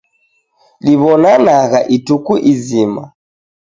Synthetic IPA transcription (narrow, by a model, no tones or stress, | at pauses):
liβɔnanaɣaʔitukuʔizima